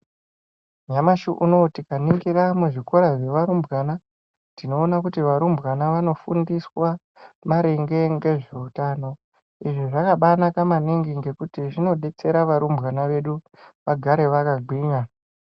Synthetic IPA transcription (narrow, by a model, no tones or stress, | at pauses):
ɲamaʃuʔuno̞tikaniŋɡiɾamuʐiko̞ɾaʐe̞ʋaɾumbɣana | tino̞ːnakutiʋaɾumbɣanaʋano̞fundiswa | maɾeŋɡe̞ŋɡe̞ʐe̞utano̞ | iʐiʐakaɓanakamaniŋɡiŋɡe̞kutiʐino̞ɗe̞t͡se̞ɾaʋaɾumbɣanaʋe̞ɗu | ʋaɡʱaɾe̞ʋakaɡʱwiːɲa